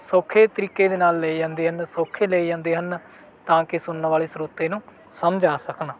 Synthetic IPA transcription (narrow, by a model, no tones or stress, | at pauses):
soːkʰːeːt̪əɾiːkːeːd̪eːnaːlːeːiːd͡ʒãːnd̪eːɦənsoːkʰːeːleːiːd͡ʒãːnd̪eːɦən | t̪ãːkɪsʊnːʋaːleːsɾuːt̪ːeːnũː | səmd͡ʒaːsəknaː